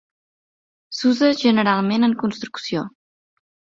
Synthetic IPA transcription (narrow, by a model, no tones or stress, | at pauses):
suzəʒənəɾalˠmenəŋkunst̪ɾuksio